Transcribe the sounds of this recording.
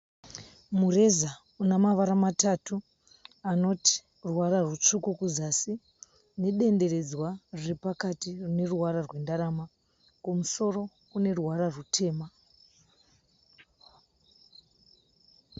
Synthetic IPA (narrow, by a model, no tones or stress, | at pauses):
mure̞za | unamaʋaɾamatatu | ano̞ti̥ | ruwaɾarwut͡ʂukukuzasi | ne̞ɗe̞nde̞ɾe̞d͡zwarrepakatirune̞ruwaɾarwe̞ndaɾama | komuso̞ro̞ | kune̞ruwaɾarutʰe̞ːma